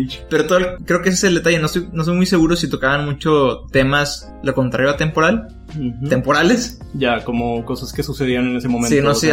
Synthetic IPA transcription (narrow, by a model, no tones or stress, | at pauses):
t͡ʃpeɾot̪oðokːɾeokes̬eseld̪e̞t̪aʝe̞no̞st̪ojnost̪ojmujs̬e̞ɣuɾosit̪o̞kaβanmũt͡ʃo̞t̪e̞mas | loko̞nt̪ɾaɾjat̪e̞mpo̞ɾal̩ | t̪e̞mpo̞ɾale̞s | ɟ͡ʝakomoko̞saskesuseðianenesemomẽnsinosi